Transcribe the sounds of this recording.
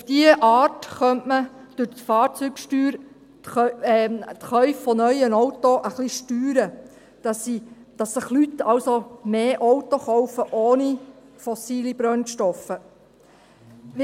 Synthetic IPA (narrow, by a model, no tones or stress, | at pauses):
ufd̥iəʔɑːtχœntməd̥ʊɾtfɑːɾt͡sykʃtyːɾ | tɛt̪χœɥfːɔnœjənɔwt̪oʔəχliʃtyːɾə | d̥ɑsid̥ɑsːəχlyt̪ːɑlsomeːʔɔwt̪oχɔwfəʔoːni | fɔsiːlibɾœnʃtɔfə